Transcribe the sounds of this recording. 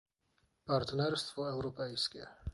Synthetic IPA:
pʼaɾt̪ʼnɛɾst̪ʰvɔɛvɾɔpʼɛiskʼia̰

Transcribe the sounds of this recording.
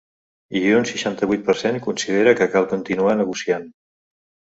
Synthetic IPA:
iʒeunsiʃant̪əβ̞ujt̪̚pəɾseŋkunsið̞eɾəkəkalˠkunt̪inuanəɣusian

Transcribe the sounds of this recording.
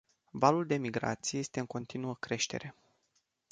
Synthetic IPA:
valuld̪e̞miɡɾa̰t̪sije̞jest̪e̞ɨŋko̞nt̪inuəkɾe̞ʃt̪e̞̰ɾe̞

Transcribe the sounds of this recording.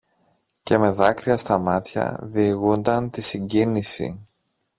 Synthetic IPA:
ce̞me̞ðɐkɾiɐst̪ɐmɐt̪çɐ̰ðiɣund̪ɐnt̪isiɲɟinisḭ

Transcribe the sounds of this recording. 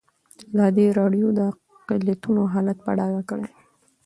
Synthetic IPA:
lad̪eɾɑɖjod̪ə | qɪlat̪unoɦɑlat̪̚pa̰ɽɑɡakəɽe

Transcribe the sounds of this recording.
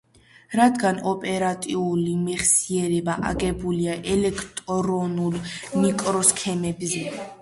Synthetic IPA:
ɾad̪ɡanɔpʼɛɾat̪ʼiulimɛχsiɛɾɛbaʔa̰ɡɛbuliaʔɛlɛkʰt̪ʼɔɾɔnulnikʼɾɔskʰɛmɛbzɛ

